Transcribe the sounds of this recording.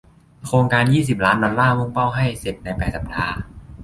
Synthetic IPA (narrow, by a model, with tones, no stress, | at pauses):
kʰɾoː˧ŋkaː˧njiː˥˩s̬i˨˩p̚laː˦˥ndɔ˧nlaː˥˩mu˥˩ŋpa˥˩wɦa˥˩jse˨˩p̪̚na˧jpɛː˨˩sa˨˩p̚t̪ʰaː˧˩